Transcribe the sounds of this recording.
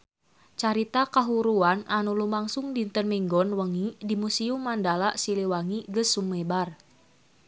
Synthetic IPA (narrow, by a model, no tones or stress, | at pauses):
t͡ʃaɾit̪akaɦuɾuananulumaŋsuŋdint̪ənmiŋɡɔnwəŋidimusiumandalaʔsiliwaŋiɡəsumebar